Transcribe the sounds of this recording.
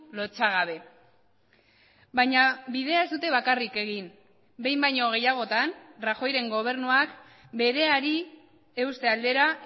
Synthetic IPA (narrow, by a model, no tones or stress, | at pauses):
lo̞t͡saɣ̞aβ̞e̞ | bajɲaβið̞e̞ae̞zd̪ut̪e̞βakarike̞ɣin | be̞jmbajɲo̞ɣ̞e̞jaɣ̞o̞t̪anraxo̞jɾe̞ŋɡo̞β̞e̞ɾnuak | be̞ɾe̞aɾi | e̞wst̪e̞ald̪e̞ɾa